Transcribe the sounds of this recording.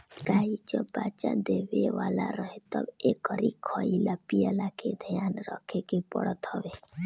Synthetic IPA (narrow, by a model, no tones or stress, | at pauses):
kaːɦid͡ʒəbːaːt͡ʃa̰d̪eːʋeʋaːla̰ɾəɦet̪əbeːkɔɾikʰɔilapiəlakʰed̪ʱəjaːnɾəkʰekepə̰ɽət̪hɔʋeː